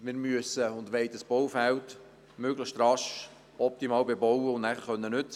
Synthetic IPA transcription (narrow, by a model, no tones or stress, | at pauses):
mɪːɾmyəsəʊndʋɛɪt̪əsb̥ɔwfælt | møɡləʃtɾɑʃ | ɔp̚t̪imɑːlbebɔwəʊnnæχəχχœnːənʏt͡s